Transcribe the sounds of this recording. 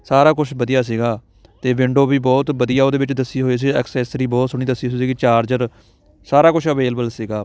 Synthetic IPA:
saːɾaːkʊt͡ʃʰbəd̪ɪjaːs̬iːɡaː | t̪eːʋɪ̃ɳɖoːbiːbɔːt̪bəd̪ɪjaːoːd̪eːbɪt͡ʃd̪əsːiːɦoːiːs̬iːɛksɛːsəɾiːbɔːt̪sʊɽ̃iːd̪əsːiːoiːsiːɡiːt͡ʃaːɾd͡ʒəɾ | saːɾaːkʊt͡ʃʰəʋeːlbəlsiːɡaː

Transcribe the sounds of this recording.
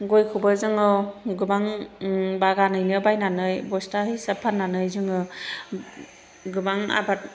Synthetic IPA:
ɡojkʰubɯzɯŋɯɡɯbaŋ | baɡanɯjnɯbajnanɯjbɔstaɦɯjsapʰanːanɯjzɯŋɯ | ɡɯbaŋa̰bat̚

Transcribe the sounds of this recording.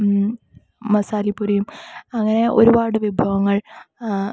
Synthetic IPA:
ɐsaːlipːuɾɐjumɐŋːɐne̞ʔo̞ɾubaːɽɨʋibʱɐʋɐŋːɐɭ

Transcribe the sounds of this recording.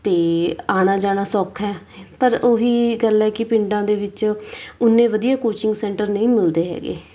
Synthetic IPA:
t̪eːaːɽ̃aːd͡ʒaːɽaːsɔːkʰɛː | pəɾoɦiːɡəlɛːkɪpɪɳɖãːd̪eːʋɪt͡ʃʊnːẽːʋəd̪ijaːkoːt͡ʃɪŋɡsɛ̃ːɳʈəɾnəĩːmɪld̪eːɦɛ̰ːɡḛː

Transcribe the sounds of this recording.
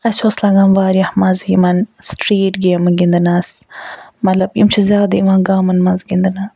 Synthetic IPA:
ɐt͡ʃʰoːslaɡɐmʋaːɾijɐhmɐzimɐnsʈɾiːʈɡeːmɐnɡind̪ɐnaːs | mɐt̪lɐbimt͡ʃʰizʲjaːd̪ɐimɐnɡaːmɐnmɐnzɡind̪ɐna

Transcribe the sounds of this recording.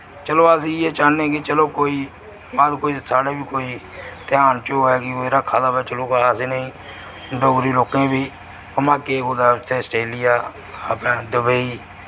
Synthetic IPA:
t͡ʃəloːasĩːeːt͡ʃaːnẽːkɪt͡ʃəloːkoːiː | baːd̪koːiːsaːɽeːbiːkoːiː | t̪ɪjaːnt͡ʃoːɛːkɪeːɾaːkʰaːd̪aːbɛːt͡ʃəloːkaseːnəĩː | ɖoɡɾiːloːkẽːbiː | pəmaːkeːɡoːd̪aːt̪ʰeːsʈeːlɪjaː | əpnãːd̪əbəiː

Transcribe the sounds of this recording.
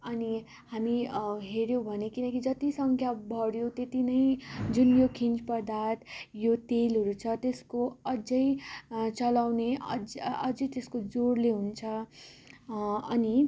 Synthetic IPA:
ʌni | hamiɦeɾjowbʱʌnekinʌkid͡zʌt̪isʌŋkʰjabʱʌɽjot̪et̪inʌjd͡zunjokʰint͡spʌrd̪ʱat̪ʰjot̪elɦʌɾut͡sʰʌt̪eskoʌd͡zʌjt͡sʌlawneʌd͡zʌd͡zʌjt̪eskod͡zoɽleɦunt͡sʰʌ | ʌni

